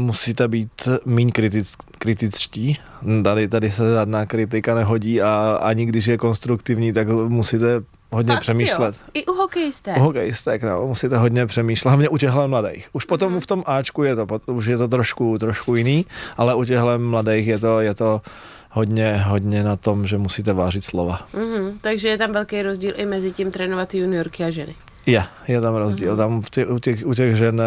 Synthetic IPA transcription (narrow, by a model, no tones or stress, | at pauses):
musiːt̪ɛbiːt̪miɲkɾɪt̪ɪkɾɪt̪ɪt͡sciːt̪adɪt̪adɪsɛʒadnaːkɾɪt̪ɪkanɛɦoɟiːaa̰ɲɪɡdɪʃ̬jɛko̞nst̪ɾukt̪ɪvɲiːt̪akmusiːt̪ɛ | ɦod̪ɲɛpr̥ɛmiːʃlɛt̪ɪʔuɦokɛjɪst̪ɛuɦokɛjɪst̪ɛkno̰musiːt̪ɛɦod̪ɲɛpr̥ɛmiːʃlɛɦlavɲɛʔucɛɣlɛmladɛ̰jxʔuʃpot̪omft̪omʔaːt͡ʃkujɛt̪opouʃjɛt̪ot̪ɾoʃkut̪ɾoʃkujɪniːʔalɛʔuc̬ɛɣlɛmladɛjxjɛt̪ojɛt̪o | ɦod̪ɲɛɦod̪ɲɛnat̪omʒɛmusiːt̪ɛvaːrɪt̪slovam̩ɦ̩t̪aɡʒɛjɛt̪amvɛlkɛjɾozɟiːlʔɪmɛzɪciːmt̪ɾɛːnovat̪junɪoɾkɪaʒɛnɪ | jɛ | jɛt̪amɾozɟḭːlt̪amft̪ɛucɛɣuc̬ɛɣʒɛn